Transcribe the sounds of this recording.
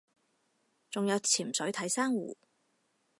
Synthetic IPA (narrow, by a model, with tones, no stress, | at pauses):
t͡sʊ˨ŋjɐ˨˧wt͡sʰiː˨˩msɵ˨˥ɥt̪ʰɐ˨˥jsaː˥ŋwṵː˨˩